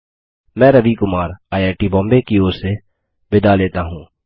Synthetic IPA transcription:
mɛ̃ːɾɐʋikʊmaːɾaːjaːʈibɔ̃ːmbekioːɾse | bɪd̪aleːt̪aɦũː

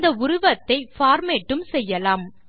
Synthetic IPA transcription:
d̪ɐʊɾʊʋɐt̪ːɐɪfaːɾmɛʈːɯmsɛjːɐlaːm

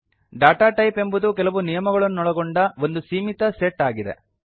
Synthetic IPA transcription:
ɖaːʈaːʈɐjpe̞mbud̪uk̬ɛlɐʋunijɐmɐɡɐɭɐnːunɔɭɐɡoɳɖɐʋo̞nd̪usiːmit̪ɐseʈːaːɡid̪e̞̰

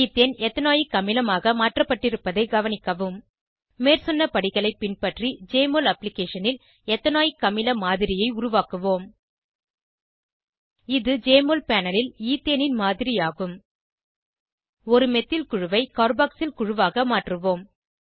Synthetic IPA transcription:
iːt̪ːeːnɛt̪ːɐnaːjikɐmɪlɐmaːɣɐmaːʈrɐpːɐʈːɪɾɯpːɐðɐɪɡɐʋɐnɪkːɐʋɯmː | eːrsɔnːɐpɐɽɪɣɐɭɐɪpːɪnpɐʈrid͡ʒeːmoːlɐplɪkːeːʂɐnɪl | ɛt̪ːɐnaːjikːɐmɪlɐmaːðɪɾɪjɐɪʊɾʊʋaːkɯʋoːm | ɪðɯd͡ʒeːmoːlpaːnɐlɪliːt̪ːenɪnmaːðɪɾɪjaːɣɯm | ɔɾɯmɛt̪ːɪlkʊɻɯʋɐɪkaːɾbaːksɪlkʊɻʊʋaːɣɐmaːʈrɯʋoːm

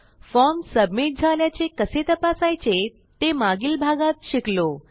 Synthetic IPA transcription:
fɔmsəbmiʈ̚d͡zʱaljat͡ɕekəset̪əpasajt͡ɕe | t̪emaɡiːlbʱaɡat̪ɕiklo

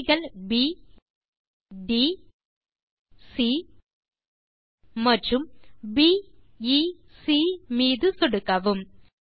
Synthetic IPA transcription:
ɣɐlbi | ɖi | si | mɐʈɾumbi | i | simiːðɯsoɽukːɐʋum

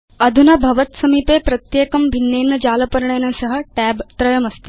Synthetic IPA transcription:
əd̪ʱunɐbʱɐʋət̪sɐmipepɾɐt̪jekəmbʱinːeːnːəd͡ʑalɐpəɾɳenasəɦəʈæbt̪ɾəjəməst̪e

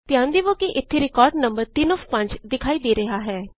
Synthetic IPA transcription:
t̪ɪjãːnd̪iːʋoːkiʔɪt̪ʰːeɾɪkɔːɾɖnə̃mbəɾt̪iːnɔfʰpə̃ɲd͡ʒd̪ɪkʰaːid̪eːɾɐɦaɦɛː

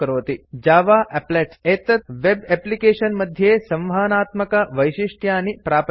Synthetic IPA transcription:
ɐɾoːt̪id͡ʒaːʋaːʔepleʈeːt̪ɐt̪ʋebeplikeːʂɐnmɐd̪ʱjɐeːsɐ̃mʋaːnaːt̪mɐkɐʋɐjʃiʂʈʰjaːnipɾaːp

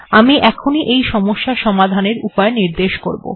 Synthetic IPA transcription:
amiʔɛkʰoniʔejʃɔmoʃːaʃɔmad̪ʱaneɾupaeniɾd̪eʃko̰ɾbo̰

